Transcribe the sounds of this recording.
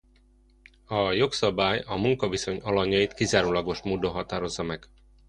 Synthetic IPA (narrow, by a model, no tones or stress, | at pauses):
ɒjo̞ksɒbaːjɒmuŋkɒviso̞ɲɒlɒɲːɒjit̪kizaːɾuːlɒɡo̞ʃmuːd̪o̞nɦɒt̪aːɾo̞zːɒmɛɡ̥